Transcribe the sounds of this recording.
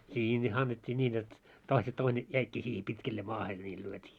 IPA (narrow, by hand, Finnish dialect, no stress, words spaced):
nʲiː ne ɑnːetʲːiː nʲiːn jot toise toine jæikːiː siːhe pitkelːe mɑːhe niːl lyøtʲiː